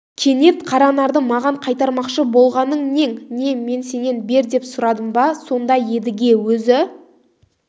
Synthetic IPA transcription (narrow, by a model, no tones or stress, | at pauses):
kʲʰe̞ne̞t̪qʰɑɾɑnɑɾd̪əmɑʁɑɴqʰɑjt̪ɑɾmɑqʃəbo̞lˠʁɑnəɴne̞ŋne̞me̞nse̞ne̞nbe̞ɾd̪e̞psʊɾɑd̪əmbɑso̞nd̪ɑje̞d̪ɪɡʲe̞wɵzɪ